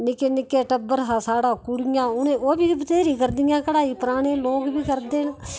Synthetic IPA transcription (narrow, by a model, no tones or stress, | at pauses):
nɪkeːnɪkeːʈəbəɾɦaːsaːɽaːkʊɽɪjãːʊnẽːoːbiːbət̪eːɾiːkəɾd̪ɪjãːkəɽaːiːpəɾaːneːloːkbʱiːkəɾd̪eːn